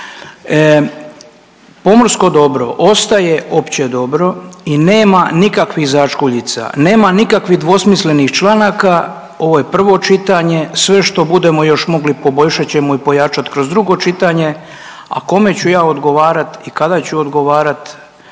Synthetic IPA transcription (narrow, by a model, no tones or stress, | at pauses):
po̞morsko̞d̪o̞bɾo̞̰ʔost̪aje̞o̞pt͡ɕe̞d̪o̞bɾo̞ineːmanikakʋixzat͡ʃkuʎit̪sa̰ne̞ːmanikakʋiɦd̪ʋo̞smisle̞nixt͡ʃlˠanaka | o̞ʋo̞je̞pr̩ʋo̞t͡ʃit̪aɲe̞sʋe̞ʃt̪o̞bud̪e̞mo̞jo̞ʃmo̞ɡlipo̞bo̞ʎʃat͡ɕe̞moipo̞jat͡ʃat̪kɾo̞zd̪ɾuɡo̞t͡ʃit̪aɲe̞ | a̰ko̞me̞t͡ɕujaːod̪ɡo̞ʋaːɾat̪ikad̪at͡ɕuod̪ɡo̞ʋaːɾat̪